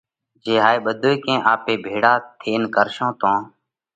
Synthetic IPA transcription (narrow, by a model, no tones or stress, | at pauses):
d͡ʒeːɦaːiːɓəd̪ʱoːiːkẽːʔaːpeːbʱeːɽaːt̪ʰeːnkəɾʃõːt̪õː